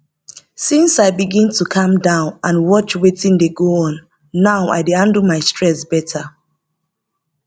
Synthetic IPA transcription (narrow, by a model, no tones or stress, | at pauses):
sĩnsaɪbiɡĩntʰukʰʌ̃mdãʊ̃nãnwɔt͡ʃwetĩndeɡoɔ̃nː | aʊa̰ɪdeãndumaɪstɹɛsbɛtʰa